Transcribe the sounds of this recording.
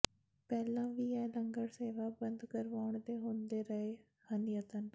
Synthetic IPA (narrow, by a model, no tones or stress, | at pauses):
pɛːlãːʋiːɛːləŋɡəɽseːʋabənd̪kəɾʋaːɳd̪eɦoːnd̪eːɾəɦe | hənjət̪ən